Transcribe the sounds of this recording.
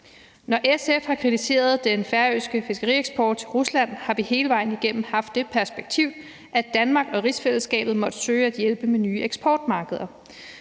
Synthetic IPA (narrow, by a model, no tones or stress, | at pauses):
nɒʔesefhɑ̈kʰʁit͡sʰise̝̰ːɐð̞ˠd̥enfæɐøːsɡ̥əfe̝sɡ̥əʁḭeɡ̥sb̥ɒːd̥ʰʁuslæn̰hɑ̈ʋihe̝ːləʋɑ̈ɪ̰n̩iɡ̥en̰m̩hɑ̈fd̥ːe̝pʰæɐsb̥eɡ̥̚t͡sʰiʊ̰ | ʔæd̥ænmɑ̈ːɡ̥ɒ̽ʁisfel̰sɡ̥ɛ̰ːb̥ð̩ˠmɒ̽d̥əsøːæd̥jelb̥əmenyːeɡ̥sb̥ʰɒːd̥mɑ̈ːɡ̥əð̞ˠɐ